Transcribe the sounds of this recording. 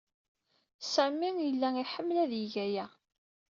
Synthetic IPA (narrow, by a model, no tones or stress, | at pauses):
səmːiŋjəlːæiħəmːlæðjiʝæjæ